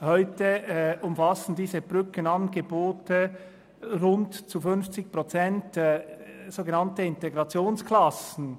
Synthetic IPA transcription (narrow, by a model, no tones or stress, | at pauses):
hɔʏtəʊmfɑsn̩diːzəb̥ʁʏkənɑnɡəboːtə | ʁʊntt͡sufʏnft͡sɪç̚pʁot͡sɛnt | z̥oːɡənɑntəɪnteɡɾɑt͡sjoːnskʰlɑsn̩